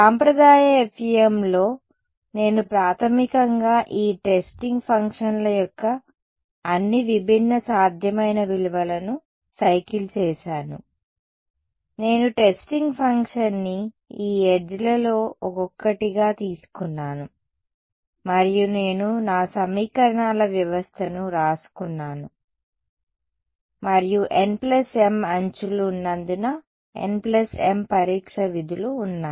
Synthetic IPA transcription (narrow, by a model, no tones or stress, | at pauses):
saːmpɾɐd̪aːjɐepʰiemlo̞ː | ne̞ːnupɾaːt̪ʰɐmikɐŋɡaːʔiːʈesʈiŋɡpʰɐŋkʂɐnlɐjɔkːɐː | nːiʋibʱinːɐsaːd̪ʱjɐmɐjnɐʋiluʋɐlɐnu | sɐjkilt͡ʃɛːʃaːnṵ | ne̞ːnuʈe̞sʈiŋɡpʰɐŋkʂɐnːi | iːed͡ʒlɐlo̞ːɔkɔkːɐʈiɡaːt̪iːsu̥kunːaːnu | mɐɾijune̞ːnunaːsɐmiːkɐɾɐɳaːlɐʋjɐʋɐst̪ʰɐnuɾaːsu̥kunːaːnu | mɐɾijuʔenplɐsemɐɲt͡ʃulːnːɐnd̪unɐ | ḛnplɐsempɐɾiːkʂɐʋid̪ʱuluːnːaː